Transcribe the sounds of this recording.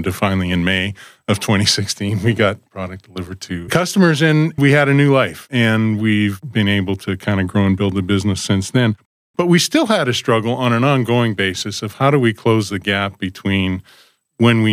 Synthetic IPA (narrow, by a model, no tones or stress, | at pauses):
dɨfãɪ̃nlˠiɨ̃nmeɪ | ʌv̥tʰw̥ɛ̃ɾ̃isɪkstʰĩnwiɡɑt̚pʰɹ̥ɑɾɨk̚d̥əlɪvə˞d̚tʰɨkʰʌstəmə˞zɨ̃nwiɨɾɨnʉlaɪfɨ̃nwivbɨ̃neɪbl̩ˠtʰɨkʰãɪ̃ndɨɡɹoʊə̃nbɪlˠd̪̚ðɨbɪznɨsɪ̃nsðɨ̃n | b̥ʌt̚wi̥stɪlˠəɾɨstɹ̥ʌɡl̩ˠə̃ñɨ̃nɑ̃nɡoʊɪ̃ŋbeɪsɨsʌv̥haʊɾɨwikʰl̥oʊzðɨɡæp̚b̥ɨtʰw̥ĩn | wə̃nwi